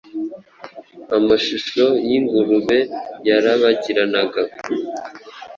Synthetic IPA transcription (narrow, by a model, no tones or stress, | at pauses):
amaʃuʃo̞jiŋɡuɾuβe̞jaɾaβaɟiɾanaɡa